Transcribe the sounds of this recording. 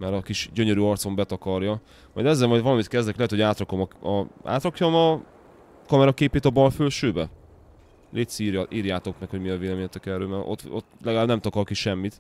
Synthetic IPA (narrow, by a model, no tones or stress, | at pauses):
mɛɾɒkiʃɟø̞ɲøɾyːɒrt̪so̞mbɛt̪ɒkɒrjɒ | mɒ̰jd̪ɛzːɛlmɒjd̪vɒlɒmit̪kɛzd̪ɛklɛɦɛt̪ho̞aːt̪rɒko̞mɒɒa̰ːt̪rɒkjo̞mɒ | kɒmɛɾɒkeːpeːt̪ɒbɒlfølʃøːbɛ | leːt̪siːrjɒʔiːrjaːt̪o̞kmɛkho̞ɟmiɒveːlɛmeːɲɛt̪ɛkɛrø̰ːmɛrʔo̰t̪ot̪ːlɛɡalaːbnɛmt̪ɒkɒrkiʃɛmːit̪